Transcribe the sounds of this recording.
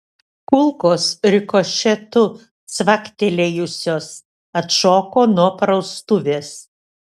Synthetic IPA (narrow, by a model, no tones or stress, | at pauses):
kʊlˠkoːsɾʲɪkoʃʲɛt̪ʊ | sʋɐkt̪ʲelʲejʊsʲoːs | ɐt̪ʃoːkoːnuɔpɾɐʊst̪ʊʋʲeːs